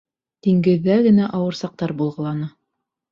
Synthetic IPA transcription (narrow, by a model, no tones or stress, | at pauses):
t̪iŋɡɘ̆ðːæɡɘ̆næʔɑwɤ̆ɾsɑq̚t̪ɑɾbulˠʁɤ̆lˠɑnɤ